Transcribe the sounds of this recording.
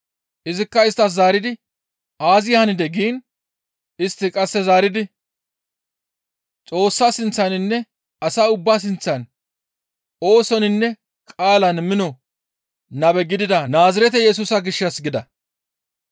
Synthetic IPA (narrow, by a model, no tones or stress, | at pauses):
ʔɪzɪkːɐɪst̪ːɐs̬zaːɾɪd̪ɪ | ʔaːzɪjhɐnɪd̪ɛɡiːn | ɪst̪ːɪkʼɐsːɛzaːɾɪd̪ɪ | t͡sʼo̞ːsːasɪnt͡sːɐnɪnːɛ | ɐsaːʊbːaːs̬ɪnt͡sːɐn | ʔo̞ːsɔnɪnːɛ | kʼaːlɐnmɪnɔ | nɐbɛɡɪd̪ɪd̪ɐnaːzɪɾɛt̪ɛjɛs̬uːsɐɡɪʃːɐsɡɪd̪ɐ